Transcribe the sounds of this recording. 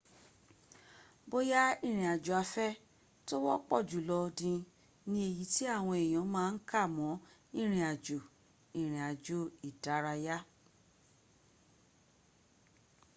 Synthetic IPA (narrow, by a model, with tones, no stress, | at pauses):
bo˦ja˦i˦˨ɾ̃ĩ˨a˨d͡ʒo˨a˧fɛ˦ | to˦wɔ˦k͡pɔ̰˦˨d͡ʒu˨lɔ˧dĩ˧ | nĩ˧e˨ji˨˦ti˦a˦˨w̃ɔ̃˧e˨j̃ɔ̃˨˦mãː˦˧n̩˦ka˦˨mɔ̃˨˦ĩ˦˨ɾ̃ĩ˨a˨d͡ʒo˨ | ĩ˨ɾ̃ĩ˨a˨d͡ʒo˨˦i˦˨da˨˦ɾa˧ja˦